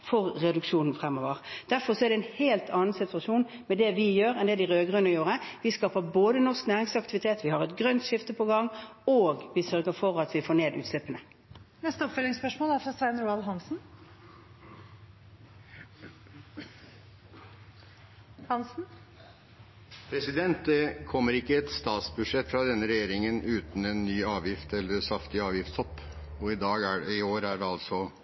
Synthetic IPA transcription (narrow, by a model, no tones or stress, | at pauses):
fɔʁːɛd̪ʉkʂuːnn̩fʁɛmːoːʋəʁd̪̥æʁfɔʁsɔɛæɾd̪ɛnheːlt̪ʰɑːnn̩sɪt̪ʉɑʂuːn | mɛd̪ɛʋɪjøːɾɛnd̪ɛd̪ɪʁøːɡʁʉnəjuːʁəʋɪskɑːpəɾboːd̪ənɔʁsknæːʁɪŋsɑkt̪ɪʋɪt̪ʰeːt̪ʋɪhɑʁɛt̪ɡʁœnt̪ʃɪft̪əpʰɔɡɑŋːoːɡʋɪsœʁɡəɾfɔʁɑt̪ʋɪfoːneːd̪ʉ̰ːt̪slɛpːənə | nɛst̪əɔpfœlɪŋspœʂmoːlæɾfɾɑsʋæɪnɾuɑlɦɑnsn̩ | hɑnsn̩ | pʰɾɛsɪd̪ɛnt̪̚d̪ɛkʰɔmːəɾɪkːəɛt̪st̪ɑːt̪sbʉd̪ʂɛt̪ːfɾɑd̪ɛnːəɾɛjeːɾɪŋənʉːt̪n̩ɛnːyːɑːʋjɪft̪ɛlːəɾsɑft̪ɪɑːʋjɪft̪sɔpː | ɔɪd̪ɑːɡæɪoːɾæɖɛɑlsɔ